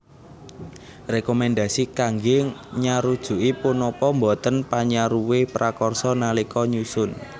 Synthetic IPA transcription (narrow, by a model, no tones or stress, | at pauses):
rekɔmɛnd̪asikaŋɡɪɲaɾud̥ʒ̥ṳʔipunɔpɔmbɔt̪ənpaɲaɾuwepɾʔakɔrsɔnalikɔɲusʊn